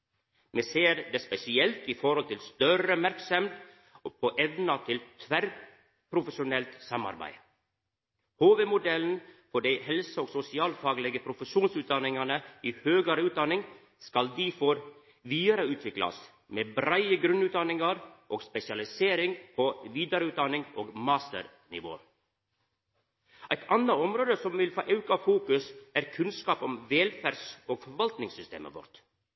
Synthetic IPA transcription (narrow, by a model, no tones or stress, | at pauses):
meːseːɾd̪espɛsɪɛlt̪ifɔɾhɔlt̪ʰɪlst̪œɾəmæɾksəmt̪ | pʰoʔɛʋnɑt̪ʰɪlt̪ʰʋæɾ | pʰɾʊfəʃʊnɛlt̪sɑmɑ̰ɾbæ̰ɪ | hoːʋeːmʊd̪ɛln̩fɔɖæɪhɛlsəoːɡsʊsɪɑːlfɑːɡlɛɡəpʰɾʊfəʃuːnsʉːt̪̚d̪ɑnɪŋɑnəiːhøːɡəɾəʉːt̪̚d̪ɑnɪŋ | skɑld̪iːfɔɾ | ʋiːɑɾəʉːt̪ʰʋɪklɑ̰s | meːbɾæɪəɡɾʉnʉːt̪̚d̪ɑnɪŋɑɾʔoːɡspɛsɪɑlɪseːɾɪŋpʰoʋiːd̪ɑɾəʉːt̪̚d̪ɑnɪŋoːɡmɑːst̪ə̰ɾ | nɪ̰ʋo̰ː | ʔæɪt̪ʰɑnɑɔmɾoːd̪əsɔmʋɪlfo̰ːʔɑʉkɑfuːkʉsæːɾkʰʉnskɑːpɔmʋeːlfæɖsoːɡfɔɾʋɑlt̪nɪŋsʏst̪ḛːmə̰ʋɔ̰ɾt̪